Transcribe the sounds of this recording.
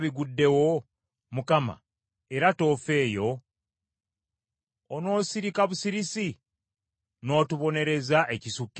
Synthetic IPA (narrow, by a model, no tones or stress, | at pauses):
βiɡudːe̞wo̞ | mukama̰ | e̞ɾato̞ːfe̞ːjo̞ | no̞ːsiɾikaβusiɾisi | no̞ːtuβo̞ne̞ɾe̞zaʔe̞cisukː